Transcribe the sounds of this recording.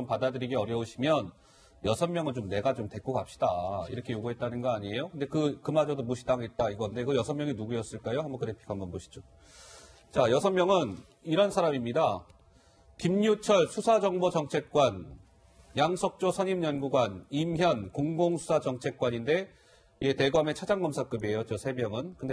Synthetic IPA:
ʌmpadadɯɾiɡeʌɾjʌoɕʰimjʌn | jʌsʰʌnmjʌŋɯnt͡ɕomne̞ɡat͡ɕomte̞k͈oɡap̚ɕ͈i̥daiɾʌkʰe̞joɡuɦet̚t͈anɯnɡʌaɲie̞jokɯnde̞kɯkɯmad͡ʑʌdomuɕʰidaŋɦet̚t͈aiɡʌnde̞kɯjʌsʰʌmjʌŋinuɡuijʌs͈ɯɭk͈ajoɦambʌnkɯɾepʰi̥kʰambʌnboɕʰi̥d͡ʑo | t͡ɕajʌsʰʌmːjʌŋɯn | iɾʌnsʰaɾamimɲida | kimɲut͡ɕʰʌɭsʰusʰad͡ʑʌŋbot͡ɕʌŋt͡ɕʰe̞k̚k͈wan | jaŋsʰʌk̚t͡ɕ͈osʰʌɲimjʌnɡuɡwanimçjʌnkoŋɡoŋsʰu̥sʰad͡ʑʌŋt͡ɕʰek̚k͈waɲinde̞ | ete̞ɡʌme̞t͡ɕʰad͡ʑaŋɡʌmsʰak͈ɯbie̞jʌt̚t͡ɕ͈osʰe̞mjʌŋɯnkɯnde

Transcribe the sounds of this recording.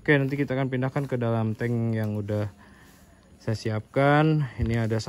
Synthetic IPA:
okenant̪ikit̪aːkanpindahkankədalamt̪ɛŋjaŋudah | sajasiap̚kaniniadas

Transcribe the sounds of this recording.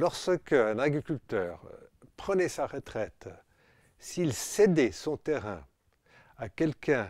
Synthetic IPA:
lɔʁsəkəɛ̃naɡʁikʲylt̪œːʁpχənɛsaʁət̪χɛt̪ | silsɛd̪ɛsɔ̃t̪ɛʁɛ̰̃ | akʲɛlkɛ̃

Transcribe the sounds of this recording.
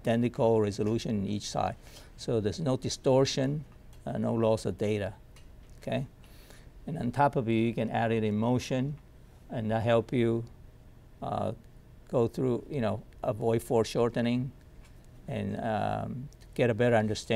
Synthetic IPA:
tɛ̃nɨkʰəlˠɹɛzəluʃɨ̃nɨ̃nit͡ʃsa̰ɪd̥ | soʊðə˞znoʊdɨstɔɹʃɨ̃n | no̰ʊlɔsʌvdeɪɾə | okʰeɪ | ɨ̃nə̰̃ntʰɑpʌvjɨjukɨ̃næɾɪɾɨ̃moʊʃɨ̃n | ɨ̃nðətɦɛlˠpju | ɡ̥oʊθɹujɨnoʊʔəvɔɪfɔɹʃɔɹtnɪ̃ŋ | ɨ̃nʌ̰ | ɡ̥ɛɾɨbɛɾə˞ʌ̃ndə˞stæ̃

